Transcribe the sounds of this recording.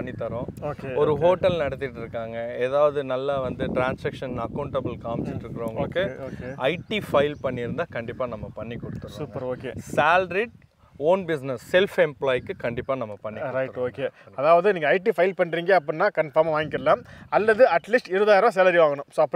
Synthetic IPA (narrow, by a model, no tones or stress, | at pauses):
ɐɳːit̪ːɐɾõːoːkeɔɾɯɦoːʈɐlnɐɽɐt̪̬ːɪʈːɪɾɯkːaːŋɡɐeːðaːʋɐðɯnɐlːɐʋɐnd̪ɯʈɾaːnsɐkʂɐnɐkɐʊɳʈɐbɯlkaːmsɪɾɯkːɪɾɐʋʊŋɡɐɭɯkːɯːkeɐɪʈifɐɪlpɐɳːɪɾɯnd̪aːkɐɳɖɪpːaːnɐmːɐpɐɳːikːɔɽɯt̪ːɐɾʊpɡɐɾoːkeːsaːlɾiʈ̚ | oːnbɪsnɐsːɛlfɛmplaːjkːɯkɐɳɖɪpːaːnɐmːɐpɐɳːiɾɐɪɾoːkeːɐðaːʋɐðɯniːŋɡɐːɪʈifɐɪlpɐɳːɾiːŋɡeːɐp̬ːɐnːaːkɐɳfɐːɾmʋaːŋɪkːɪɾɐlãːɐlːɐðɯɐʈliːsʈɪɾɯðaːjɾãːs̬ɛlɐɾiʋaːŋɡɐɳʊ̃msoːɐpː